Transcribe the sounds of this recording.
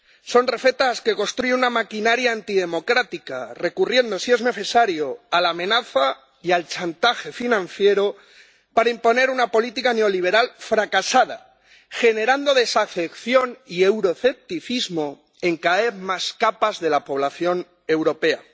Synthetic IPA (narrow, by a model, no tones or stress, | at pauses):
so̞nre̞fe̞t̪aske̞ko̞nst̪ɾuʝenunamakinaɾjaːnt̪iðe̞mo̞kɾat̪ikare̞kurje̞nd̪o̞sie̞zne̞θe̞saɾjo̞alaːmẽ̞naθa | ialt͡ʃant̪axe̞finãn̟θje̞ɾo̞ | paɾaimpo̞ne̞ɾunapo̞lit̪ikane̞o̞liβ̞e̞ɾalfɾakasað̞a̰ | xe̞ne̞ɾand̪o̞ðe̞safe̞kθjo̞niewɾo̞θe̞p̚t̪iθizmo̞ | e̞ŋkaeθmaskapazðe̞lapo̞β̞laθjo̞n | e̞wɾo̞pe̞a